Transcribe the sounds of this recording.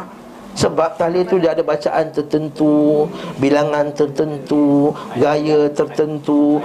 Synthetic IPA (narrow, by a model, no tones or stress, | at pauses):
səbap̚k̪alit̪udaadabat͡ʃa̰ʔant̪ərt̪ənt̪ubilaŋãnt̪ərt̪ənt̪uɡajət̪ərt̪ənt̪u